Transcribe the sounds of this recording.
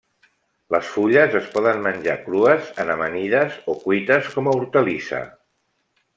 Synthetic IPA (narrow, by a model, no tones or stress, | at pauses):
ləsfuʎəzəspɔðənmənʲʒakɾuəzənəməniðəzokujt̪əskɔməuɾt̪əlisə̰